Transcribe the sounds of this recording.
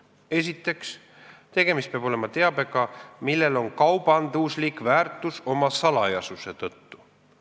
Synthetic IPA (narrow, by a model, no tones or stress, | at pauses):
e̞s̬ʲit̪ːˑe̞ks | t̪e̞ɡ̥e̞mist̪̚peɑb̥o̞lemɑt̪e̞ɑbe̞ɡ̥ɑmilːe̞lo̞nkɑwb̥ɑnd̪uslikvæːrt̪ˑuso̞mɑsɑlɑjɑsuse̞t̪ɤt̪ːu̥